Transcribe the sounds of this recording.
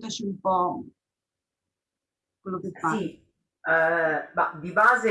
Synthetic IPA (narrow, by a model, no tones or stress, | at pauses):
t̪at͡ʃiumpɔ | kwelːokefsai | bad̪ibaːze